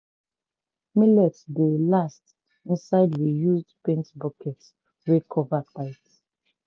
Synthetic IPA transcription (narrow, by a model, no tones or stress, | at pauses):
milɛtdelast | ĩnsaɪdwijuzdpẽntbɔkʰɛt | wekʰɔvataɪt